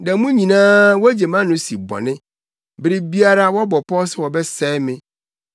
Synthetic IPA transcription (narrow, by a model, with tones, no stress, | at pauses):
dɛ˨˦mũ˦ɲĩ˨nãː˦wɔ˦d͡ʑe˨mã˦nʊ̃˨˦sḭ˨bɔ̰˨nɪ̃˦ | bɪ˦ɾɪ˦bi˦a˦ɾa˦wɔ˦bɔ˨pʰɔ˦sɛ˦wɔ˨bɛ˦sɛː˦mɪ̃˦